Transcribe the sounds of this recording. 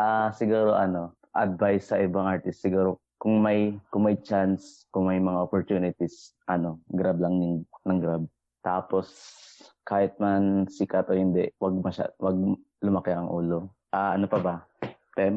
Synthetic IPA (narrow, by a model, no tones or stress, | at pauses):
ʔaːsɪɡuːɾo̞ʔɐno̞ | ʔɐd̪̚vajsːɐʔɪbaŋʔaɹt̪ɪst̪sɪɡuːɾo | kʊŋmɐjkʊŋmɐjt͡ʃanskʊŋmɐjmɐŋaʔopoɹt̪uːnɪt̪ɪsʔɐno̞ɡɾablɐŋnnɐŋɡɾab̚ | t̪aːpo̞s | kaːhɪt̪̚mansikat̪ohɪnd̪ɛʔwɐɡ̚mɐʃa̰wɐɡ̚ | lʊmɐkɛʔɐŋʔṵːlo̞ | ʔaːʔɐnopɐbɐpɛ